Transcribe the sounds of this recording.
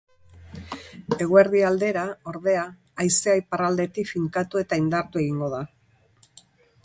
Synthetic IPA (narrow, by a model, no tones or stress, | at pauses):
e̞ɣ̞ue̞ɾðiald̪e̞ɾao̞ɾðe̞aː | jseajparald̪e̞t̪ikfiŋkat̪ue̞t̪aind̪aɾt̪ue̞ɣiŋɡo̞ða